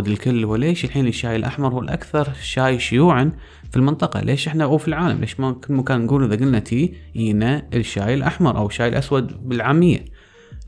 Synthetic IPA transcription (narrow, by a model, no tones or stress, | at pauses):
d̪ɪlkɪlːwɪleːʃɪlħiːnɪʃːaːjɪlʔa̰ħmɑɾˤhuːlʔa̰kθɑɾˤʃaːjʃʊjuːʕan | filmɪnt̪ˤɑqɑ̰lʔeːʃʔɪħnauːfilʕaːla̰mlʔḛːʃmakɪlːmakaːnnɡuːlʔɪðaɡʊlnat̪ʰiːʔiːnaʔəʃːaːjɪlʔaħmɑɾˤʔa̰wɪʃːaːjɪlʔaswad̪bɪlʕaːmɪjːa̰